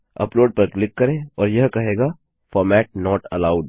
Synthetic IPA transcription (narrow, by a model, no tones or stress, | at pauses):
ɐ̰ploːɖ̚pɐɾklɪkːɐɾẽɔːɾjɐɦkɐɦeːɡaː | fɔːɾmɛːʈ̚nɔːʈɐlaːʊɖ